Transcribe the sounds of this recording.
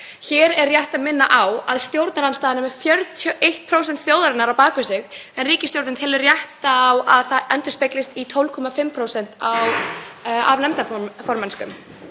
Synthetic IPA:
çɛːɾɛrːjaht̪amɪnːa̰ʔawaðst̪jowɾt̪naɾanst̪aːðɪnʏmɛfjœɾt̪ʰʔejht̪̚pʰɾowsɛnt̪θjoːwðaɾɪtnaɾawpaːkʏsɪxɛnriːcɪsjowɾt̪ɪnt̪ʰɛːlɪɾrjaht̪aːwaðθaðɛnt̪ʏ̥spejklɪst̪it̪ʰɔwlkʰɔmafɪmːpʰɾoːwsɛn̥t̪aw | a̰vnɛmt̪affɔɾmɛnskʏm

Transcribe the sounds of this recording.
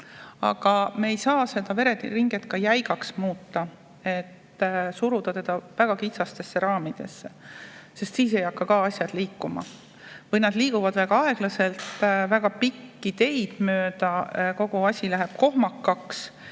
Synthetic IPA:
ɑ̰ɡ̥ɑmeːjsɑːse̞d̪̥ɑve̞ɾe̞riŋɡ̥e̞t̪kɑjæjɡ̥ɑksmuːt̪ːɑ | e̞t̪ːsuɾud̪̥ɑt̪e̞d̪̥ɑvæɡ̥ɑkit̪sɑst̪e̞sːe̞ɾɑːmid̪̥e̞sːe̞se̞st̪siːse̞jɑkːɑkɑːɑsʲjɑd̪̥liːkːˑumɑ̰ | vɤjnɑd̪̥liːɡ̥uvɑd̪væɡ̥ɑɑe̞ɡ̥lɑse̞lt̪ːˑvæɡ̥ɑpikːit̪e̞jd̪̥mø̞ːd̪̥ɑko̞ɡ̥uɑsʲilæɦeb̥̚ko̞hmɑkːˑɑks

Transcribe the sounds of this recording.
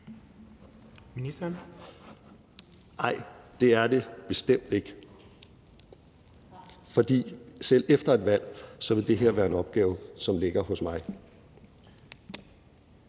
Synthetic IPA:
minisd̥ɐn | ʔɑ̈ɪ̰d̥e̝æɐd̥e̝b̥e̝sd̥em̰d̥e̝ɡ̥ | fɒ̽d̥ḭːsel̰efd̥ɐe̝d̥ʋæl̰sɒ̽ʋe̝ld̥e̝ɦeɐ̰ʋæːɐe̝nɒ̽b̥̚ɡ̥ɛːʊsɒ̽mle̝ɡ̥ɐhɔ̽smɑ̈ɪ

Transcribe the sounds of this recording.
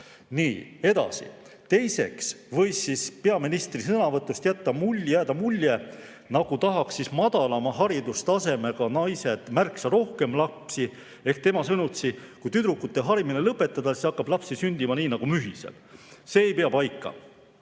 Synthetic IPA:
niːe̞d̪̥ɑ̰sḭ | t̪e̞jse̞ksvɤ̞jsːispe̞ɑminist̪risɤnɑvɤt̪ˑːust̪jæt̪ːɑmulʲːjæːd̪ɑmulʲːje̞ | nɑɡ̥ut̪ɑɦɑksːismɑd̪ɑlɑmɑɦɑɾid̪ust̪ɑse̞me̞kɑnɑjse̞d̪̥mærksɑɾo̞hke̞mlɑpsi | e̞hkt̪e̞mɑsɤnut̪sikujt̪yd̪ɾukːˑut̪ːˑeɦɑɾiminelɤpːˑe̞t̪ːˑɑd̪̥ɑsisɑkːɑb̥lɑpsisynʲd̪̥imɑniːnɑɡ̥umyɦise̞̰l | se̞ːejpe̞ɑpɑjkːˑɑ̰

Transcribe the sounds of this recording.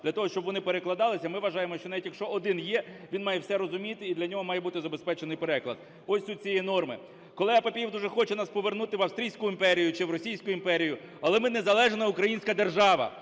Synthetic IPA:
d̪̥lʲɐt̪ɔɦɔʃt͡ʃɔbʋɔnɪpeɾeklˠɐd̪ɑlˠɪsʲɐmɪʋɐʒɑjemɔʃt͡ʃɔnɑʋʲitʲjɐkʃt͡ʃɔʔɔd̪ɪnjɛʋʲinmɑjɛwsɛɾɔzʊmʲit̪ɪːd̪lʲɐnʲɔɦɔmɑjɛbut̪ɪzɐbespɛt͡ʃenɪjpeɾɛklˠɐ̰d̪ | ɔsʲsʲut̚ʲt͡sʲijɛnɔrmɪ̰ | kɔlˠɛɐpɐpʲijiwd̪uʒɛxɔt͡ʃɛnɑspɔʋernut̪ɪʋɐfst̪ɾʲijsʲkʊimpɛɾʲijʊt͡ʃɪʋrɔsʲijsʲkʊjʊimpɛɾʲijʊ | ɐlˠɛmɪnezɐlˠɛʒenɐʊkɾɐjinʲsʲkɐd̪erʒɑʋɐ̰

